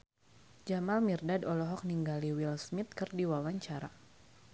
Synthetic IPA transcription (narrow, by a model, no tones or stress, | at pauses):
d͡ʒamalmirdadɔlɔɦɔk̚niŋɡaliwilsmit̪̚kɨrdiwawaɲt͡ʃaɾa